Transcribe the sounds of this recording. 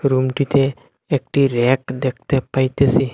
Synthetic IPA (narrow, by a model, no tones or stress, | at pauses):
ɾumʈit̪ʰeː | k̚ʈiɾekd̪ek̚ʰt̪epajt̪esi